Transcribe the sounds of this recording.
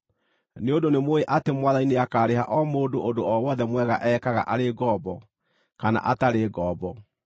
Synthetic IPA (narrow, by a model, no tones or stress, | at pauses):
neodonemoeʔatemwaðaineakaːɾehaʔɔmoːdoʔodoɔwɔðɛmwɛɣaʔɛːkaɣa̰ʔaɾeɡɔːbɔ | kana̰ʔataɾeɡɔːbɔ